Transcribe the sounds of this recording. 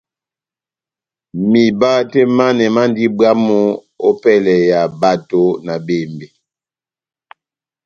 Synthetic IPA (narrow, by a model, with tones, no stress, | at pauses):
mi˨ba˦te˦ma˦nɛ˨ma˦n˦di˦bwa˦mo˦ | o˦pɛ˦˨lɛ˨ja˨ba˦to˦na˨be˦˨mbe˨